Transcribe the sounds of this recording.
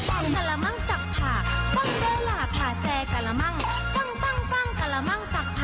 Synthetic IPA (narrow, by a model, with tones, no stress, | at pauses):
fɔ˥˩ŋka˧˩la˧ma˥˨ŋsa˨˩k̚pʰaː˨˩t̪ɔ˥˩ŋdaː˧˥˩laː˨˩pʰaː˨˩sɛː˧ka˨˩la˧˥ma˥˩ŋ | t̪a˥˩ŋfa˥˩ŋfa˥˩ŋka˨˧˩la˧ma˥˩ŋsa˨˩k̚pʰa˨˩